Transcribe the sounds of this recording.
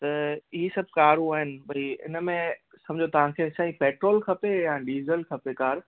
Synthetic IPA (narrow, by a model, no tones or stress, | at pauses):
t̪ɐiɦisɐb̚ʱkaːɾũaːɦɪnɪ̆bʱɐiɪ̰nmẽ | sɐ̃md͡ʑʱot̪ɐʋ̤ãkʰeːɪsaːĩpɛːʈɾoːlkʰɐpejãɖiːzəlkʰɐpekaːɾ